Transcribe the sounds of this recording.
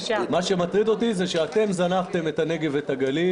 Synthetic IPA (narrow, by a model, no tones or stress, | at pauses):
maʃe̞mat̪ʁid̪o̞t̪izeʃeat̪e̞mzanaft̪e̞met̪ane̞ɡevet̪aɡali